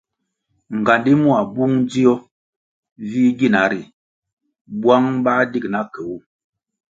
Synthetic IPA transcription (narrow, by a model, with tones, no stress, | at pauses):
ŋ̩˨ɡa˨ndi˦mu˦a˨bu˦ŋd͡zi˦ɔ˦ | vi˦ɡi˦˨na˨˦ɾi˨ | bwa˦ŋba˦di˦k̚na˦kɛ˨u˦